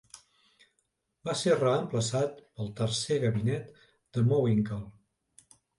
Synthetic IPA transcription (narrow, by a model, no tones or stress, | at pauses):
baserəəmpləsat̪̚pəlˠt̪ərseɣəβinɛt̪ | d̪̥əmowiŋkəlˠ